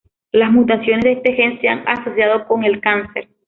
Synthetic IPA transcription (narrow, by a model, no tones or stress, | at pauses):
lasmut̪̬asjo̞nezðest̪e̞xe̞nseaŋaso̞sjaðo̞ko̞ŋe̞lkansḛɾ